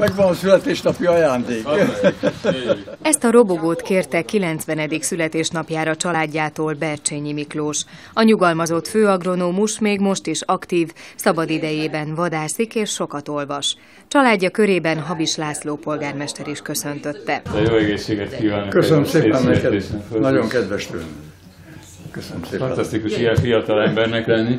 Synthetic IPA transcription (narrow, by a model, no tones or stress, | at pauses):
mɛɡʋɒnɒsylɛt̪eːʃnɒpiɒjaːnd̪eːk | ɛst̪ɒɾo̞boɡoːt̪keːrt̪ɛkilɛnt̪sʋɛnɛd̪iksylɛt̪eːʃnɒpjaːɾɒt͡ʃɒlaːɟːaːt̪oːlbɛrt͡ʃeɲimikloːʃ | ɒɲuɡɒlmɒzo̞t̪føːɒɡro̞noːmuʃmeːɡmo̞ʃt̪iʃɒkt̪iːvsɒbɒd̪id̪ɛjeːbɛnvɒd̪aːsikeːʃːo̞kɒt̪o̞lvɒʃ | t͡ʃɒlaːɟːɒkø̞ɾeːbɛnɦɒbiʃlaːsloːpo̞lɡaːrmɛʃt̪ɛɾiʃkø̞sø̞nt̪ø̞t̪ːɛt̪ɛjoːɛɡeːʃːeːɡɛt̪kiːvaːnokøsønəmseːnɛɛeːʃnɛfønɒjoŋkɛd̪ʋɛʃt̪y̰ | køsnmsefɒnt̪ɒst̪ikuʃijɛfijɒt̪ɒlɛmbɛrnɛkɛlni